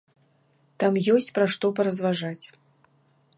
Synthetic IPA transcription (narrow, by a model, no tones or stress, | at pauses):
t̪amjɔsʲt͡sʲpɾaʂt̪ɔp̬ɐɾɐzvaʐat͡sʲ